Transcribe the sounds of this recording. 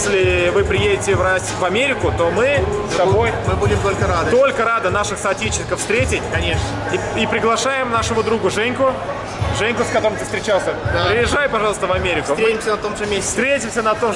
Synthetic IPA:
sʲlʲɪvɨpɾʲɪjedʲɪtʲɪvrasʲvɐmʲeɾʲɪkʊt̪o̞mɨst̪ɐbojmɨbudʲɪmt̪olʲkəɾad̪ɨt̪o̞lʲkəɾad̪ənaʂɨxsɐtʲit͡ɕɪnʲɪkəfst̪ɾʲetʲɪtʲkɐnʲeʂnə | ipɾʲɪɡlˠɐʂajɪmnaʂɨmʊd̪ɾuɡʊʐɛnʲkʊ | ʐɛnʲkʊskɐt̪o̞ɾəmt̪ɨ̥st̪ɾʲɪt͡ɕalˠsʲəpɾʲɪjɪʐajpɐʐɑlˠəst̪əvɐmʲeɾʲɪksʊtɾʲeɪmsʲənɐt̪omʐɨmʲessʲst̪ɾʲetʲɪmsʲənɐt̪o̞m

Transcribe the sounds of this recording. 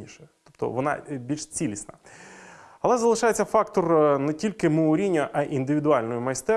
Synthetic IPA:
iʃɛt̪ɔpt̪ɔ̰ʋɔnɑ̰bʲilʲʃt͡sʲilʲisnɐ | ɐlˠɛzɐlˠɪʃɑjet͡sʲːɐfɑkt̪ɔrnɛtʲilʲkɪmoʊɾʲinʲːɐʔɐʔind̪ɪʋʲiɪd̪ʊɑlʲnɔjʊmɐjst̪ɛ

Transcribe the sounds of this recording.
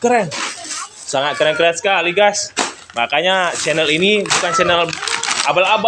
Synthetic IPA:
kəɾɛn | saŋat̪̚kəɾɛnkəɾɛnskaliɡas | makaɲat͡ʃɛnɛlinibukant͡ʃɛnɛlabalaba

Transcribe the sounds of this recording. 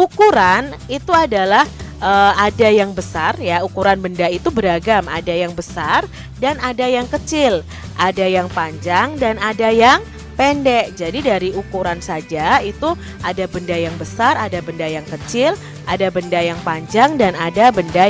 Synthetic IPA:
ukuɾan | it̪uadalahʔəadajaŋbəsarjaukuɾanbəndait̪ubəɾaɡama̰dajaŋbəsar | danadajaŋkət͡ʃɪl | ʔadajaŋpaɲd͡ʒaŋdanadajaŋ | pɛndɛʔd͡ʒadidaɾiukuɾansad͡ʒait̪u | ʔadabəndajaŋbəsaɾadabəndajaŋkət͡ʃɪl | adabəndajaŋpaɲd͡ʒaŋdanadabənda

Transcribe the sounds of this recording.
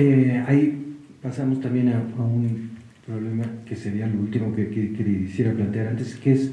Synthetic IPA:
eaipasamost̪ambje̞naaun | pɾo̞βle̞make̞se̞ɾialo̞ult̪imo̞kekekeðisje̞ɾaplant̪eaɾant̪eskees

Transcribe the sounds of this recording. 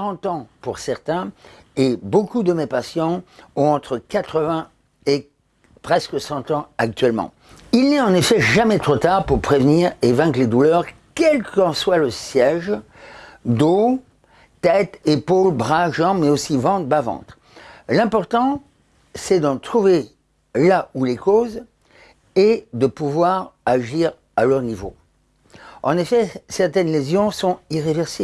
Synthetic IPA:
ʁɑ̃t̪ɑ̃puʁsɛʁt̪ɛ̃ | ebokud̪əmepasjɑ̃ɔ̃ɑ̃t̪χəkat̪χəvɛ̃ | e | pχɛskəsɑ̃t̪ɑ̃ak̚t̪ɥɛlmɑ̰̃ | ilnɛɑ̃nefɛʒamɛt̪χot̪aʁpuʁpχevniːʁevɛ̃kled̪ulœʁ | kʲɛlkɑ̃swaləsjɛʒ | d̪o | t̪ɛt̪epolbʁaʒɑ̃mɛosivɑ̃t̪bavɑ̰̃t̪χ | lɛ̃pɔʁt̪ɑ̃ | sɛd̪ɑ̃t̪χuve | laulekoz | ed̪əpuvwaʁaʒiʁ | alœʁnivo̰ | ɑ̰̃nefɛsɛʁt̪ɛnlezjɔ̃sɔ̃iʁevɛʁse

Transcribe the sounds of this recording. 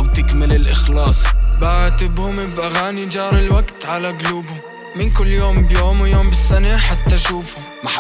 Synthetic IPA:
wt̪ɪkmɪlɪlʔɪxlɑːsˤbaʕat̪ɪbhʊmɪbʔaɣaːnid͡ʒɑːɾˤɪlwaɡt̪ʕalaɡʊluːbhʊm | mɪnkʊlːjoːmbjoːmwjoːmbɪsːanaħat̪ːaʃuːfʊma

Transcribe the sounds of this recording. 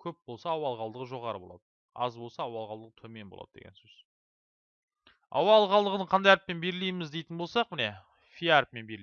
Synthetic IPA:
kʲʰɵp̚bo̞lˠsɑɑwɑlˠʁɑlˠd̪əʁəʒo̞ʁɑɾəbo̞lˠɑ̰d̪ə | ɑ̰zbo̞lˠsɑːwɑlˠʁɑlˠd̪əʁət̪ʰɵme̞nbo̞̰lˠɑ̰d̪əd̪ḛɡʲensɵz̥ | ɑ̰wɑlˠʁɑlˠd̪əʁənəɴqʰɑnd̪ɑjæɾɪp̚ːe̞nbe̞ɾɪlejmɪzd̪e̞jt̪ɪnbo̞lˠsɑq̚mɪne̞ | fʲijaɾp̚me̞nbeɾ

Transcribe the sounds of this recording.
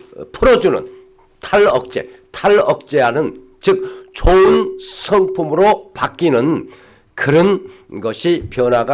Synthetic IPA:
pʰuɾʌd͡ʑunɯ̰n | tʰaɭʌk̚t͡ɕ͈e̞̰tʰaɭʌk̚t͡ɕ͈e̞ɦanɯn | t͡ɕɯk̚t͡ɕoɯnsʰʌŋpʰumɯɾopak͈inɯn | kɯɾʌn | ɡʌɕʰipjʌnwaɡa

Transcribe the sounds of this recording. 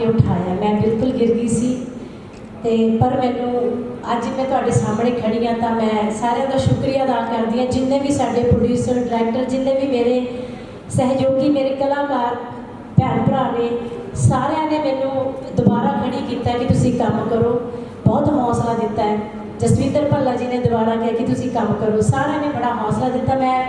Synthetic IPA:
eʊʈʰaːeaːmɛ̃ːbɪlkʊlɡɪɾɡiːsiː | t̪eːpəɾmɛ̃ːnũːəd͡ʒmɛ̃ːt̪ʊaːɖeːsaːmɳẽːkʰəɽiːãːt̪ãːmɛ̃ːsaːɾeãd̪aːʃʊkɾijaːd̪aːkəɾd̪iːãːd͡ʒɪnːẽːʋiːsaːɖeːpɾoɖjuːsəɾɖɾɛːk̚ʈəɾd͡ʒɪnːẽːʋiːmeːɾeː | sɛɦd͡ʒoːɡiːmeːɾeːkəlãːkaːɾ | pɛːnbəɾaːʋeːsaːɾed̪ẽːmɛ̃ːnũːd̪ʊbaːɾaːkʰəɽiːkiːt̪aːɛːkɪt̪ʊsĩːkəmkəɾoː | bɔːt̪ɦɔːslaːd̪ɪt̪ːaːɛː | d͡ʒəsʋĩːnd̪əɾpəlːaːd͡ʒiːnẽːd̪ʊbaːɾaːkɪːkɪt̪ʊsĩːkəmkəɾoːsaːɾaːnẽːbəɽaːɦɔːslaːd̪ɪt̪ːaːmɛ̃ː

